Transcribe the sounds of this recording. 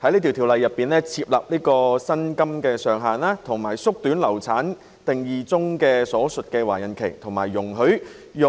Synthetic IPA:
hɐ˨˥jliː˥t̪iː˨wt̪ʰi˨wlɐ˨jːɐ˨pːiː˨nlɛː˥t͡sʰiː˧p̚lɐ̰˨p̚liː˥kɔː˧sɐ˥nkɐ˥mkɛː˧sœː˨ŋɦaː˨naː˥t̪ʰʊ˨˩ŋmaː˨˩jsʊ˥k̚t̪yː˨˥nlɐ˨˩wt͡sʰaː˨˥n | t̪ɪ˨ŋjiː˨˩t͡sʊ˥ŋkɛː˧sɔː˨˥sɵ˨t̚kɛː˧waː˨˩jɐ˨˩nkʰe˨˩jt̪ʰʊ˨˩ŋmaː˨˩jːʊ˨˩ŋɦɵ˨˥ɥ | jʊ˨

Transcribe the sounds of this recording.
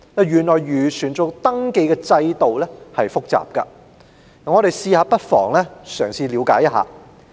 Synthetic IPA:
nɐ˨˩jɥyː˨˩nlɔː˨˩jɥyː˨˩sʰyː˨˩nt͡sʊ˨˧kt̪ɐ˥ŋke˧jkɛː˧t͡sɐ˧jt̪o˨wlɛ˥hɐ˨jfʊ˥k̚t͡sa̰ː˨˩p̚kɐ̰˧˨˩ | ŋɔː˨˧ɾe˨jsiː˧haː˨˧pɐ˥t̚fɔ̰ː˨˩ŋlɛː˥sœː˨˩ŋsiː˧liː˨˧wkaː˨˥jɐ˥ɦa̰ː˨˧

